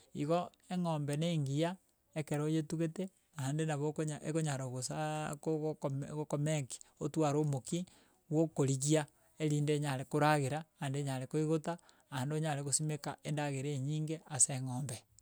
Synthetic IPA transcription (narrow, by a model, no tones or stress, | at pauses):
iɣo | eŋoːmbeneːŋɡija | ekeɾojetuɣete | andenaβokoɲaekoɲaɾooɣosakomɣokomeki̥otwaɾomoki | wokoɾiɣia | eɾiːndeɲaɾekoɾaɣeɾaandeɲaɾekoiɣota | aandoɲaɾeɣosimekaendaɣeɾeɲiːŋɡeaseːŋoːmbe